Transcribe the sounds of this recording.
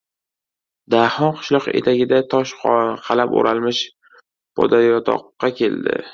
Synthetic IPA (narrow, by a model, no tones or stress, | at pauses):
d̪ahɒnqʰʊ̥ʃlˠɒqe̞̰t̪ʰaɡʲɪd̪at̪ʰɒʃqʰɑlapo̰ɾalmɪʃ | pʰɒ̰d̪ajɒt̪ʰɒ̰qːɑkʲʰe̞ld̪ɪ̰